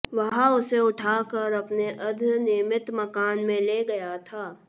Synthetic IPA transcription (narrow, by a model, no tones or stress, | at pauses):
ʋɐɦãʊseʊʈʰaːkəɾɐpneʔɐd̪ʱnɪːmɪt̪mɐkaːnmẽleːɡɐjat̪ʰaː